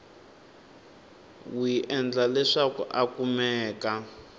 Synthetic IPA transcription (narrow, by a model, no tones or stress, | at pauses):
wiʔɛnd͡ɮalɛʂakṵʔakumɛːka